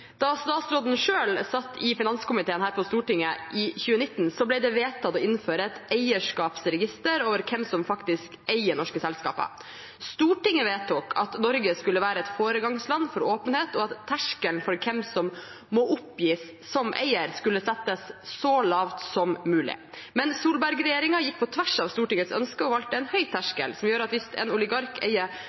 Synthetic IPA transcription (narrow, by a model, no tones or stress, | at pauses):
d̪̥ɑst̪ɑːt̪sɾoːd̪n̩ʂøːlsɑt̪ːɪfɪnɑnskʊmɪt̪ʰeːənhæːɾpʰɔst̪uːʈɪŋːəʔɪçʉːənɪt̪ːnsɔblæɪd̪ɛʋeːt̪ʰɑt̪ɔːɪnføːɾəɛt̪æɪəʂkɑːpsɾɛɡɪst̪əɾoːʋəɾkʰɛmsɔmfɑkt̪ɪskæɪəɳɔʂkəsɛlskɑ̰ːpə̰ | st̪uːʈɪŋːəʋeːt̪ɔkʰɑt̪nɔɾɡəskʉlːəʋæːɾəɛt̪foːɾəɡɑŋslɑnːfɔɾoːpənheːt̪ɔɑt̪ʰːæʂkəlnfɔɾkʰɛmsɔm | mɔʔʊpjiːs | sɔmʔæ̰ɪəɾskʉlːəsɛt̪ːəsːɔlɑːʋt̪sɔmmʉːlɪ̰ | mɛnsuːlbæɾɡɾɛjeːɾɪŋɑjɪkːpʰɔt̪ʰʋæʂɑːʋst̪uːʈɪŋːət̪sœ̰nskəɔʋɑlt̪əɛnhœʏt̪ʰæʂkə̰lsɔmjøːɾəɑt̪ʋɪst̪ɛ̰nʊlɪɡɑɾkʰæ̰ɪə